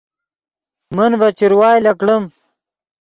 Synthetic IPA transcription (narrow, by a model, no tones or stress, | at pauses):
mənvɐt͡ɕiɾwaːjlɐkɽəm